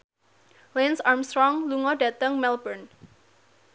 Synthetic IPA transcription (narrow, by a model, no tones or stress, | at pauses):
lensarmst̪ɾɔŋluŋɔɖä̤t̪əŋmɛlbən